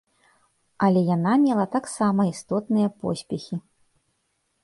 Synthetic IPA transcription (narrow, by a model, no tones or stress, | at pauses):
ɐlʲɛjanamʲɛlˠɐt̪aksamɐist̪ɔt̪nɨjɐpɔ̰sʲpʲɛxʲi